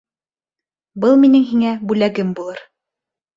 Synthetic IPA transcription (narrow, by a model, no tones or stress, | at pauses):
bɤlˠminɘŋɦiŋæbʉlæɡɘmbulˠɤɾ